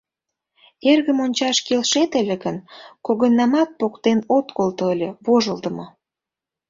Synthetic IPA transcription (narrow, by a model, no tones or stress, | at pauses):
erɣə̆monʲt͡ɕɑʃkelʃet̪əlʲĕɣənkoɣənːɑmɑt̪̚pokt̪enot̪kolt̪oəlʲeβoʒəld̪ə̆mo